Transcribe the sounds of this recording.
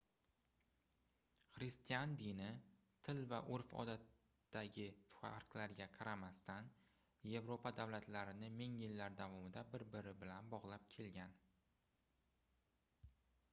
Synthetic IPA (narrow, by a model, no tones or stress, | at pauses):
χɾɪst̪ijand̪inɪ | t̪ʰɪlvaʔʊɾfɒ̰d̪at̪ː | aɡʲɪfʊ̥a̰ɾqlaɾɡʲaqʰɑɾʔamast̪an | je̞vɾopad̪avlat̪laɾɪnɪmɪŋjɪlːaɾd̪avɒmɪd̪abɪɾbɪɾɪbɪlanbɒʁlˠap̚kʲʰe̞lɡʲan